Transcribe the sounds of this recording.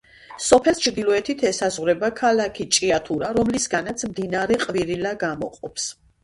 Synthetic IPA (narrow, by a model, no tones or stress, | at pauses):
sɔpʰɛlˠst͡ʃʰɾd̪ilˠɔɛt̪ʰit̪ʰɛsazʁwɾɛbakʰalakʰit͡ʃʼiat̪ʰuɾaɾɔmlisɡanat̪sʰmd̪inaɾɛqʼviɾilaɡamɔ̰qʼɔps